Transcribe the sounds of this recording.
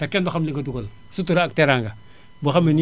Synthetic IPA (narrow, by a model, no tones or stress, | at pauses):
takenduxamliŋɡaduɡol | sutuɾaakteɾaŋɡa | baxameni